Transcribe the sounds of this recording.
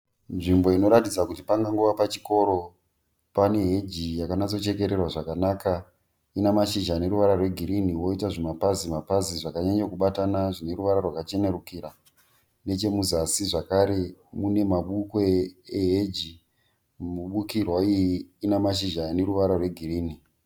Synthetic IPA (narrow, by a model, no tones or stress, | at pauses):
nʐimbo̞ino̞ɾatid͡zakutipaŋɡaŋɡoʋapat͡ʃi̥ko̞ɾo̞ | pane̞ɦe̞d͡ʒijakanat͡so̞t͡ʃe̞ke̞ɾe̞rwaʐakanaːka | inamaʃiʒane̞ɾuʋaɾarwe̞ɡʱiɾiniwo̞itaʐemapazimapaziʐakaɲaɲokuɓatanaʐine̞ɾuʋaɾarwakat͡ʃe̞nerukiɾa | ne̞t͡ʃe̞muzasiʐakaɾe̞mune̞maɓukweeɦed͡ʒi | muɓukirwaijiːnamaʃ̬iʒane̞ɾuʋaɾarwe̞ɡʱiriːni